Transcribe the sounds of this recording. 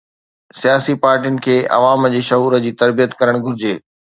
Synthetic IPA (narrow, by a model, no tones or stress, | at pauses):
sijaːsipaːɾʈiʊnɪ̆kʰeːɐ̰ʋaːmd͡ʑeːʃɐɦuːɾəd͡ʑiːt̪ɐɾbijət̪kɐɾəɽ̃ɡʱʊɾɪd͡ʑeː